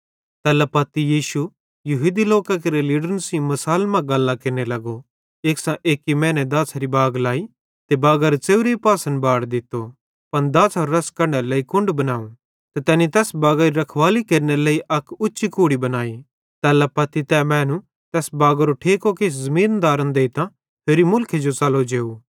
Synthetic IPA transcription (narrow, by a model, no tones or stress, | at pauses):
t̪ɛːlɐpɐt̪ijiːʃu | jɐɦuːd̪iloːkak̬eɾeliːɖəɾnsĩmɐsaːlmãɡɐlːãkɪɾnelɐɡo | eːksãʔeːkːimɛ̃ːnɛd̪aːsʰɾibaːɡlaːi | t̪ebaːɡaːɾt͡seːʊɾeipaːsə̃nbaːɽd̪ɪt̪ːo | pɐnd̪aːsʰɦɔɾːɐskɐɾneɾleːikʊ̃ɳɖbɐnaːũ | t̪ɛt̪ɛːnit̪ɛːsbaːɡaːɾiɾɐkʰʋaːlikeːɾneleːiʔɐkʊtːʃikuːɽibɐnaːi | t̪ɛːlɛpɐt̪ːit̪ɛmɛ̃ːnũ | t̪ɛːsbaːɡaɾoʈʰeːkokeːszɐmĩːnd̪aːɾənd̪eːit̪ã | p̪ʰeːɾimʊlkʰed͡ʒot͡sɐlod͡ʒeːuː